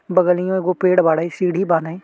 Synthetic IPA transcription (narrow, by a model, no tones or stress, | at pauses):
bəɡəlɪjõːɡoːpeːɽbaːɽaːiːsiːɽiːbaːnaiː